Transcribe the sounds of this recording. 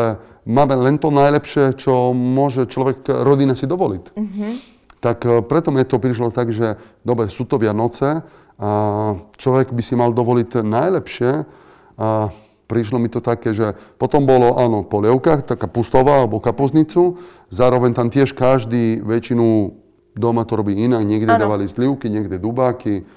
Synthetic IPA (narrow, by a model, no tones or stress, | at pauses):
ɛ | maːmɛlɛnt̪ɔnajlɛpʃɪɛt͡ʃɔmʊɔʒɛt͡ʃlɔʋɛkɾɔd̪inasid̪ɔʋɔlit̪ | t̪akpɾɛt̪ɔmɛt̪ɔpɾiʃ̬lɔt̪aɡʒɛd̪ɔbɾɛsuːt̪ɔʋɪanɔt͡sɛ | at͡ʃlɔʋɛɡbisimald̪ɔʋɔlit̪najlɛpʃɪɛ | a | pɾiʃ̬lɔmit̪ɔt̪akɛːʒɛpɔt̪ɔmbɔlɔʔaːnɔpɔlɛʊkaxt̪akapust̪ɔʋaalɛbɔkapuzɲit͡su | zaːɾɔʋɛɲt̪amt̪ɪɛʃkaʒd̪iːʋɛt͡ʃinu | d̪ɔmat̪ɔɾɔbiːinaɡɲɪɛɡd̪ʲɛd̪aʋalizliʊkiɲɪɛɡd̪ɛd̪ubaːki